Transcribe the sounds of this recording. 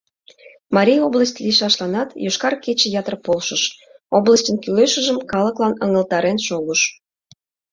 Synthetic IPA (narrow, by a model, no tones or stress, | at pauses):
mɑɾʲijoblˠəsʲtʲliʃɑʃlɑnɑt̪joʃkɑrket͡ɕĕjɑt̪ərpolʃəʃobləsʲtʲənkyleʃə̆ʒəmkɑləklɑnəŋəlt̪ɑɾenʃoɣəʃ